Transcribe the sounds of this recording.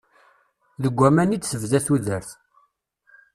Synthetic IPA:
ðəɡʷːæmænid̪səvðæθuðəɾθ

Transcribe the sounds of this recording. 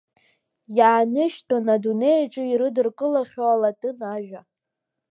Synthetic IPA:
jaːnɨʃtʼonadune̞jʈ͡ʂʼɨiɾɨdɨrkʼɨlaχʲoalatʼɨnaʒᶣa

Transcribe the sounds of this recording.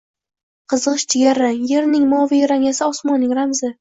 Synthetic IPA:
qʰɨzɨʁɨʃt͡ʃʰɪɡʲaɾɪje̞ɾnɪŋmɒvijɾaŋasɪɒsmɒnːɪŋɾamzɪ

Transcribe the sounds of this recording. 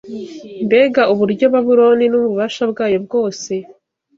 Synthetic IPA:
mbe̞ːɡauβuɾɟo̞βaβuɾo̞ːninuβuβaːʃabɡaːjo̞b̚ɡo̞ːse̞

